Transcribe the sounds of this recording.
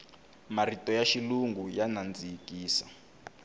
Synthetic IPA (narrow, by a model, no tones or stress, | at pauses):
maritɔjaʃiluŋɡujanand͡zikiːsa